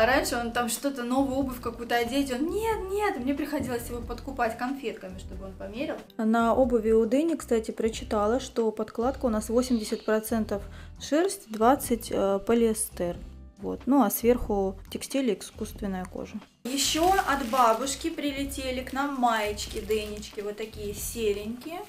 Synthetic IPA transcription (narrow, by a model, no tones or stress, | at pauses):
ɾanʲʂɨont̪amʂt̪ot̪əno̞vəjo̞bɨfʲkɐkujʊt̪əɐdʲetʲonnʲet̪nʲet̪mnʲepɾʲɪxɐdʲilˠəsʲjɪvo̞pət̪kʊpatʲkɐnfʲe̞t̪kəmʲɪʂt̪o̞bɨonpɐmʲeɾʲɪlˠnɐʔobəvʲɪʊd̪ɨnʲɪkst̪atʲɪpɾət͡ɕːɪt̪alˠəʂt̪o̞pɐt̪klˠat̪kəʊnasvo̞sʲɪmʲdʲɪsʲɪt̪̚pɾɐt̪sɛnt̪əfʂɛrsʲtʲd̪vat̪sɨtʲəpəlʲɪst̪ɛrvo̞̰t̪nuɐsvʲerxʊtʲɪksʲtʲilʲɪɪskust̪vʲɪnːəjəko̰ʐə | jɪɕːoɐd̪babʊʂkʲɪpɾʲɪlʲɪtʲelʲɪknamːajɪt͡ɕkʲɪd̪ɨnʲɪt͡ɕkʲɪvot̪ːɐkʲijəsʲelʲɪnʲkʲɪə